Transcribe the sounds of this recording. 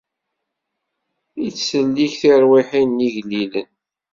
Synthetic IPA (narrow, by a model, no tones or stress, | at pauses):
it͡sːsəlːiçθiɾwiħinːiʝlilən